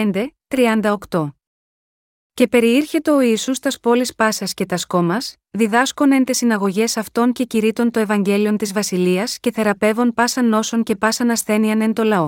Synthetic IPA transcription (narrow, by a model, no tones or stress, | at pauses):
end̪e̞t̪ɾiɐnd̪ɐokt̪o̞ | ce̞pe̞ɾiiɾçe̞t̪e̞oiːsust̪ɐspo̞lispɐsɐsce̞t̪ɐsko̞mɐs | ðiðɐsko̞ne̞nt̪esinɐɣo̞ʝe̞sɐft̪o̞nce̞ciɾit̪o̞nt̪o̞e̞vɐɲɟe̞lio̞nt̪izvɐsiliɐsce̞θe̞ɾɐpe̞vo̞npɐsɐnːo̞so̞ŋce̞pɐsɐnɐsθe̞niɐne̞nt̪o̞lɐo̞